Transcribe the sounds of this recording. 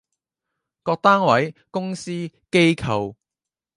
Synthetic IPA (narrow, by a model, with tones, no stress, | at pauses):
kɔː˧k̚t̪aː˥ŋwɐ˨˥jkʊ˥ŋsiː˥ke˥jkʰɐ˨w